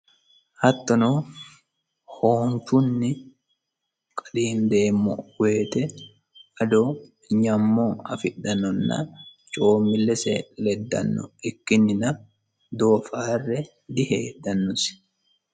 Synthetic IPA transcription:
hɐt̪ːɔno | hoːnt͡ʃʊnːɪ | kʼɐᶑ̪iːnd̪e̞ːmːɔ̰we̞ːt̪ɛ | ɐd̪o | ɲɐmːoɐfɪᶑɐnɔnːa̰ | t͡ʃʼoːmːɪlːɛseːʔɛlɛd̪ːɐ̰nːɔ̰ɪkːɪnːɪnɐ | d̪oːfaːrːɛ | d̪ɪhḛːdɐnːʊsɪ̥

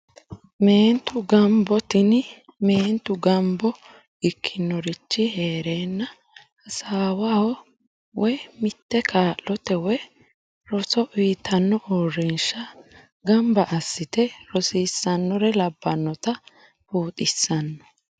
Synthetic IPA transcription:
me̞ːnt̪ʊɡɐmbɔt̪ɪn | me̞ːnt̪ʊɡɐmbɔ | ɪkʰːɪnːɔɾɪt͡ʃːɪheːɾeːnːɐ | ɐsaːwahɔ | wɛmɪt̪ːɛkʰaːʔlɔt̪ɛwɛ | ɾɔsɔʔijt̪ʰɐnːɔʔɔrːɪnʃɐ | ɡɐmbɐʔɐsːɪt̪ɛɾɔsisːɐnːɔɾɛlɐbːɐnːɔt̪ɐ | puːt̪ʼɪsːɐnːɔ̥

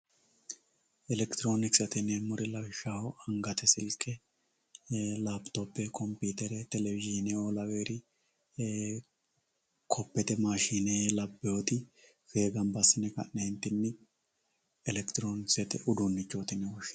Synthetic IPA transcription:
ʔɛlɛkt̪ɪɾo̞ːnɪksɛt̪ɪnɛmʊɾɪlɐfʃahɔɐŋɡɐt̪ɛsɪlkʼːɛ | laːbt̪opːɛkʰɔmpiːt̪ɛɾɛt̪ɛlɛvɪʒinɛɔlɐweːɾɪ | kʰɔpːɛt̪ɛmaːʃiːnelɐbːɛot̪ɪ | fe̞ːɡɐmbɐsɪnɛkɐ̰ʔneːnt̪ːɪnːɛ | ɛlɛkt̪ɪɾoːnɪksɛt̪ɛ̰ʔʊd̪ʊnːɪt͡ʃːoːt̪ɪnɛwɔʃ

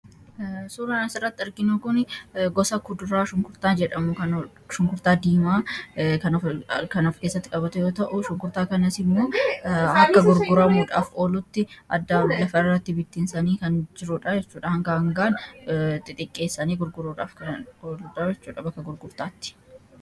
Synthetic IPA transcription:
suːɾɐnɐsɪrːɐt̪ːɪɐɾɡɪnukʊnɡɔsɐkʊd̪ʊɾaːʃʊŋkʊɾt̪aːd͡ʒɛᶑɐmʊkɐn | ʃʊŋkʊɾt̪aːd̪iːmaːkɐnkɐnɔfkeːsːɐt̪ːɪ̥kʼɐbɐt̪ɛjo̞ːt̪ɐʔʊʃʊŋkʊɾt̪aːkɐnɐsɪmːo̞ːɐkːɐɡʊɾɡʊɾɐmuːᶑaːfo̞ːlʊt̪ːɪʔɐ̰d̪ːalɐfɐɪrːɐt̪ːɪbɪt̪ːɪnsɐniːkɐnd͡ʒɪɾʊᶑɐd͡ʒɛt͡ʃːuːᶑɐhɐŋɡaɐŋɡaːnt̪ʼɪt̪ʼɪkʼːe̞ːsːɐniːɡʊɾɡʊɾuːᶑaːfkɐoːluᶑɐjɛt͡ʃːuːᶑɐbɐkːɐɡʊɾɡʊɾt̪aːt̪ːɪ̥

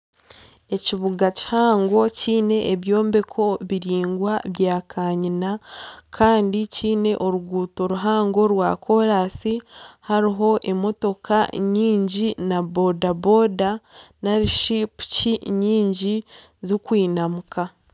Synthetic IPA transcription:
e̞ciβuɡaci̥haːŋɡo̞ciːne̞ʔːβjo̞ːmbe̞kʰo̞βiɾiːŋɡwaβjaːkʰaːɲinakʰaːndiciːne̞ʔo̞ɾuɡuːto̞ɾuɦaːŋɡo̞ɾwaːkʰo̞ɾaːsihaɾiɦo̞ʔe̞mo̞to̞ka̰ɲiːɲɟinabo̞dabo̞danaɾiʃipu̥ciɲiːɲɟi | zikwiːnamuka

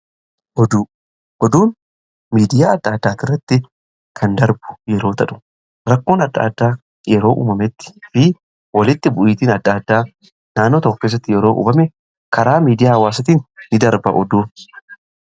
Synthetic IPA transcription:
ʔɔd̪u | ʔɔd̪uːn | miːd̪ɪjaːɐd̪̥ːaːd̪ːaːt̪ɪrːɐt̪ːɪ | kʰɐnd̪ɐɾbʊ̥jɛɾo̞ːt̪ɐᶑʊ̥ | ɾɐkːo̞ːnɐd̪ːa̰ːd̪ːaː | jɛɾo̞ːʔṵːmɐmɛt̪ːɪ̥fɪ | wɐlɪt̪ːɪbʊʔiːt̪iːnɐd̪ːaːd̪ːaː | naːnːoːt̪ɔpːeːs̬ːɐt̪ːɪjɛɾo̞ːʔṵːbɐmɛ | kɐɾaːmiːd̪ɪjaːhɐwaːsɐt̪iːnːɪd̪ɐɾbɐ̰ʔɔd̪uː

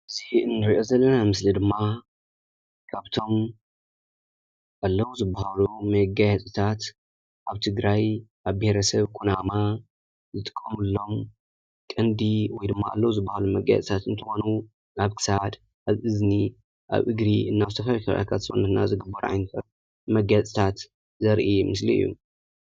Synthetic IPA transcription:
ʔɨziɨnːɨɾiʔo̞zɐlːɐnamɨslid̪ɨmːa | kʰaβt̪ʰo̞m | ʔalːɐwuzɨbːahalumɐɡajɛt͡sʼɨt̪ʰat̪ | ʔaβt̪ʰɨɡɾajʔaβbeheɾɐsɐβkʰunama | zɨt̪ʼɨ̥kʼːɐmɨlːo̞m | kʼɨnd̪iwɔjd̪ɨmːa̰a̰lːɐwuzɨbːahalumɐɡa̰jɛ̰t͡sʼt̪ʰat̪ɨnt̪ʰɨxo̞nu | naβkʰɨ̥sad̪ | ʔaβɨzni | ʔa̰βʔɨɡɾiʔɨnːaβɨt̪ʰɐfawikʰaɾa̰k̪ʰat̪sʼṵnːɐt̪na̰zɨɡɨbːɐɾʕa̰jnɐt̪ʰɐ | mɐɡat͡sʼt̪ʰat̪ | zɐɾʔimɨsliɨ̰jːṵ

